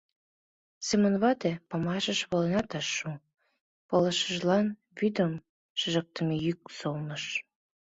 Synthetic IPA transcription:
semənβɑt̪epɑmɑʒə̆ʃβolenɑt̪ɑʃːu | polə̆ʃə̆ʒlɑn | βyd̪əm | ʃəʒək̚t̪əmejyk̚solnəʃ

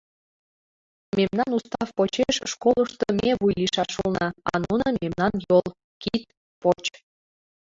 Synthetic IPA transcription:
memnɑnust̪ɑfpot͡ɕeʃːkoləʃt̪əmʲeβujliʃɑʃulnɑɑ̰nunɤmemnɑnjolˠ | kit̪̚ | pot͡ɕ

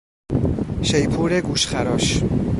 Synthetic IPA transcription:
ʃejpʰuːɾeɡuːʃxæɾɒːʃ

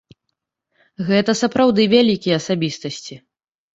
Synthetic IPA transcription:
ɣɛt̪ɐsɐpɾawd̪ɨvʲalʲikʲijɛɐsabʲist̪ɐsʲt͡sʲi

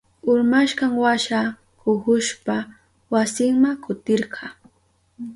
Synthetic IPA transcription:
ʊɾmaʃkɑŋwaʃa | kʊhʊʃpa | wasɪŋmakʊt̪ɪɾqʰɑː

